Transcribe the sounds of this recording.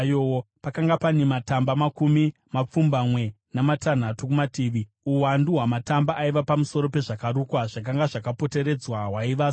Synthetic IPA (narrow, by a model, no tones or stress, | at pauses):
jowopakaŋɡapanematambamakumi | map͡fumbamwe̞ | namatan̤atukumatiːʋi | uwanduɦwamatambaʔːiʋapamuso̞ɾo̞pe̞ʐakaɾukwaʐak̬aŋɡaʐakapo̞te̞ɾe̞d͡zwaɦwaiʋaː